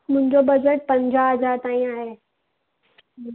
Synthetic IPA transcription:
mʊ̃ɦɪ̃ɲd͡ʑobɐd͡ʑəʈ̚pə̃ɲd͡ʑʱaɦəd͡ʑaːɾt̪aːĩaːɦeː

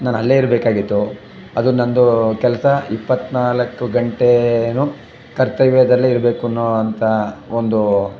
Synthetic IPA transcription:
naːnɐlːeːiɾbeːkaːɡit̪ːu | ɐd̪unɐnd̪ukɛlɐsɐipːɐt̪ːnaːlɐkːuɡɐɳʈenu | kɐɾt̪ɐʋejɐd̪ɐlːeiɾɐbe̞ːkuɐnːoːɐnt̪ʰɐond̪u

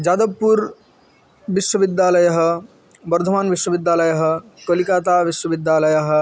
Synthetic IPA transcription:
d͡ʒad̪əbpuɾ | biʃwəbid̪jaləjɦ | bəɾd̪ʱəʋaːnbiʃwəbid̪jaləjɦkəlikat̪aʋiswəbid̪jaləjəɦ

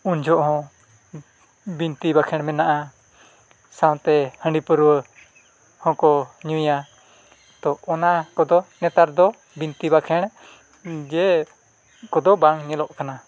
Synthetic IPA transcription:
und͡ʒɔʔɦɔ̃ | bint̪ibakʰɛɽ̃mɛnaʔa | sãw̃t̪ɛhəɳɖipəɾwə | hɔ̃kɔɲũja | t̪ɔʔɔnakɔd̪ɔnɛt̪aɾd̪ɔ | bint̪ibakʰɛɽ̃ | d͡ʒɛ | kɔd̪ɔbaŋɲɛlɔʔkana

